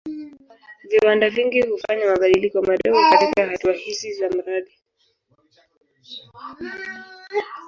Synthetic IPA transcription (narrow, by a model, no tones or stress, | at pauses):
viwandaviŋɡihufaɲamaɓaɗilikɔmaɾɛfukatikahatuahizizam̩ɾaɗi